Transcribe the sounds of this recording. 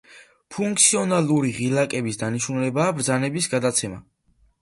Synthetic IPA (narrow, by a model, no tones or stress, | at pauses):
pʰuŋk̚t̪sʰiɔnalˠuɾiʁilˠakʼɛbisd̪aniʃnulɛbaːbɾd̪zanɛbisɡad̪at̪sʰɛma̰